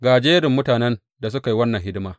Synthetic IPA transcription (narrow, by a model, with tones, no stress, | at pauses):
ɡaː˨d͡ʒeː˦ɾɪ˨mːʊ˦taː˨nɛ˦n | da˨s̬ʊ˦ka˨i˦wɐ˦nːɐ˨ŋhɪ˦dɪ˦maː˦